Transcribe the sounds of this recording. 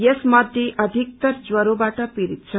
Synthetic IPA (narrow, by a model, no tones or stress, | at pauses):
jesmʌd̪ʱjeʔʔʌd̪ʱik̚t̪ʌɾd͡zwʌɾobaʈʌpiɾit̪̚t͡sʰʌ